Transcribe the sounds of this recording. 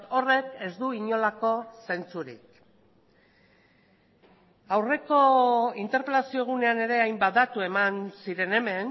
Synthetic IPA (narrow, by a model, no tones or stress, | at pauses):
o̞re̞ke̞zd̪uiɲo̞lako̞se̞nt͡suɾḭk̚ | awre̞ko̞int̪eɾpe̞lasio̞ɣ̞une̞ane̞ɾe̞ajmbad̪at̪ue̞mansiɾe̞ne̞me̞n